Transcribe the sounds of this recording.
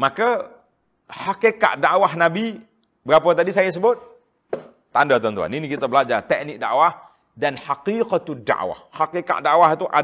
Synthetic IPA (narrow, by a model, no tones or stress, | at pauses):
maka | hakeka̰ʔda̰ʔwahnabi | bəɾapət̪adisajas̬əbʊt̪̚ | t̪andat̪ɔnt̪ua̰ninikit̪abəlad͡ʒart̪ɛk̚nɪk̚da̰ʔwah | danhaqiqat̪uda̰ʔwa̰hhakeka̰ʔdaʔwaɦit̪uʔa